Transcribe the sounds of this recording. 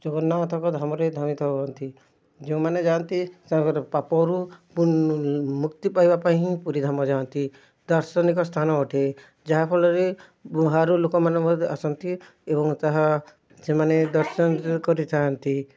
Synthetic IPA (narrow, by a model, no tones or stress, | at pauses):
d͡ʒɔɡɔnːat̪ʰɔkɔd̪ʱamɔɾed̪ʱamit̪ʰɔbɔɔnt̪i | d͡ʒeũmaned͡ʒant̪it̪ãkɔɾpapɔɾupu | mukt̪ipaibapaɦĩiĩpuɾid̪ʱamɔd͡ʒant̪i | d̪ɔɾsɔnikɔst̪ʰanɔːʈe | d͡ʒaɦapʰɔlɔɾe | ɦaɾulokɔmanɔmɔd̪ʱasɔnt̪i | ebɔŋt̪aɦa | semaned̪ɔɾsɔnkɔɾit̪ʰant̪i